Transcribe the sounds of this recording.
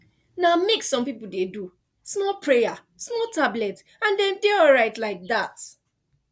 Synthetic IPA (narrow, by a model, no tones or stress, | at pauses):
nameksɔ̃mpipl̩dedu | smɔpʰɹeja | smɔtablɛt | ãndɛ̃ndeɔlɹaɪtlaɪk̚ðat